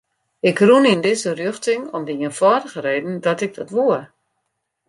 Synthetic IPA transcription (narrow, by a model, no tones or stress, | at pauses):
ɪkrunindɪzərjøxtɪŋɔmdijənfɔdəɣəreːdn̩dɔtɪɡ̚dɔtʋuər